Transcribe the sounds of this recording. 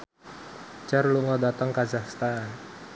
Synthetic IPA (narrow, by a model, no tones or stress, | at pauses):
t͡ʃarluŋɔdat̪əŋkazakst̪an